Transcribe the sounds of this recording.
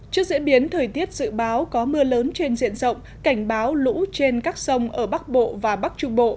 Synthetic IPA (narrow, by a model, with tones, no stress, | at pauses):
t͡ɕɨ˦˥ək̚zḭ˧˥ɓi˨˦ənt̪ʰəː˨˩jt̪i˦˥ət̚z̥ɨ̰˧˨ɓaː˨˦wkɔ˨˦mɨ˧ələː˨˦nt͡ɕe˧nzḭ˧˨ənzə̰˧˨wŋ͡m | ka˧˩jŋ̟ɓaː˨˦wlṵ˧˥t͡ɕe˧nkaː˦˥k̚sə˧wŋ͡mʔəː˧˩ɓa˦˥k̚ɓo̰˧˨vaː˨˩ɓa˦˥k̚t͡ɕʊ˧ŋ͡mɓo̰˧˨ʔ